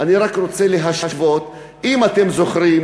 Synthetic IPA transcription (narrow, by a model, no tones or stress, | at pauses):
aniʁakʁo̞t͡seleɦaʃaʃvo̞t̪ | imat̪e̞mzo̞χɾim